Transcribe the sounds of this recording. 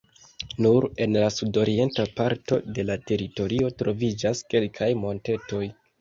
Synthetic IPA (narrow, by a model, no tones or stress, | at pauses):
nuɾe̞nlasudo̞ɾie̞ntapaɾto̞de̞late̞ɾito̞ɾio̞tɾo̞vid͡ʒaske̞lkʰajmo̞nte̞to̞j